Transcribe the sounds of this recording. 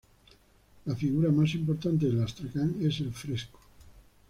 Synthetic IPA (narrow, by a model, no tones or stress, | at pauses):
lafiɣuɾamas̬impoɾt̪ant̪eðelast̪ɾakaŋeselfɾesko̥